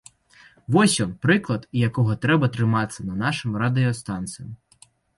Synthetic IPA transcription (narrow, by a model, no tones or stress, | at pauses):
ʋɔsʲjɔnpɾɪklˠɐd̪jɐkɔɦɔt̪ɾɛbɐt̪ɾɪmɑt͡sʲːɐnɐnɑʃɪmrɐd̪ɪɔst̪ɑnt̪sʲɐm